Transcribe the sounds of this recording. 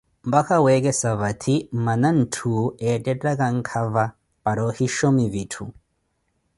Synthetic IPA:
mbakawɛkɛsaβatʰimmanan̩tʰuɛtʼɛtʼakaŋ̩kʰava | paɾɔhiʃɔmivitʰṵ

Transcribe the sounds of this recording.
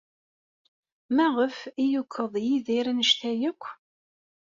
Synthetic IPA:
mæʁəfijukʰːəðˤjiðiɾænəʃt̪æjəkʷː

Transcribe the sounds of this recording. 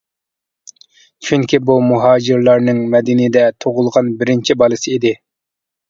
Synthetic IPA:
t͡ʃʰyŋkʲibumuɦɑːd͡ʒɪɾlˠɑɾnɨŋmɛd̪ɪnɪd̪ɛt̪ʰoʁʊlˠʁɑnbɪɾɪnt͡ʃʰibɑlˠɨsɨid̪ɪ

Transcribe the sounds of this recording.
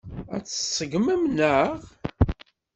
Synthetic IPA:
æ̰t͡sːə̥sˤːəɡmæmnəʁ

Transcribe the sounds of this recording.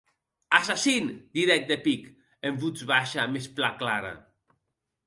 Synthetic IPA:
asasind̪iɾɛk̚d̪epik | eɱbud͡zβaʃamesplaklaɾa̰

